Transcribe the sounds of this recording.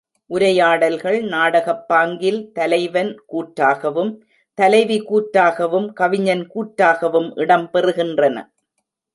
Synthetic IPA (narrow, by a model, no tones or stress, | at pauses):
ʔʊɾɐjaːɽɐlɣɐɭnaːɽɐɣɐpːaːŋɡɪlt̪ɐlɐɪʋɐnkuːʈɾaːɣɐʋɯm | t̪ɐlɐɪʋikuːʈɾaːɣɐʋɯmkɐʋɪɲɐnkuːʈɾaːɣɐʋɯmʔɪɽɐmpɛrɯɣɪndrɐnɐ̰